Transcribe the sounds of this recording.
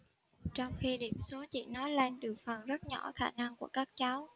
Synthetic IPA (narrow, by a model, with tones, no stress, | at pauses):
t͡ɕɔ˧wŋ͡mxi˧ɗi˧˩əmso˨˦t͡ɕḭ˧˨nɔ˨˦jle˧nɗɨ˨˩ək̚fə˨˩nzə˦˥t̚ɲɔ̰˧˩xaː˧˩na˧ŋku˧˩əkaː˦˥k̚t͡ɕa˨˦w